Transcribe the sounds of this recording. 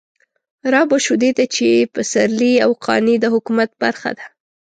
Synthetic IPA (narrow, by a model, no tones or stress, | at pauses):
ɾɑboʃud̪ed̪at͡ʃepəsaɾliawqʰɑ̰nid̪əhʊkumat̪̚ba̰ɾxa̰d̪̥ḁ